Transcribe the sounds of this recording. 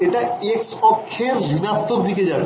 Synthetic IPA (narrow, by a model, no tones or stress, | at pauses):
eʈaekspɔkʰːeɾlinast̪okd̪ʱiked͡ʑaɾ